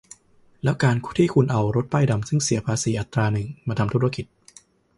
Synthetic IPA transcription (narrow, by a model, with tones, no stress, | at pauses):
lɛː˦˥wkaː˧nkt̪ʰiː˥˩kʰu˧nʔa˧wɾo˦˥t̪̚paː˥˩jda˧msɯ˥˩ŋsi˨˩˦pʰaː˧siː˩˦ʔa˨˩t̪ɾaː˧nɯ˨˩ŋmaː˧a˧mt̪ʰɾa˧ki˨˩t̪̚